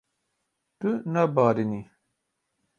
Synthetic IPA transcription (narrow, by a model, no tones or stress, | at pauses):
t̪unabaːɾini